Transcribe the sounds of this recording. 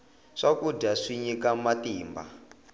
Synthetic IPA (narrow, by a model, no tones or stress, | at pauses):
ʂakudaʂiɲikamatiːmba̰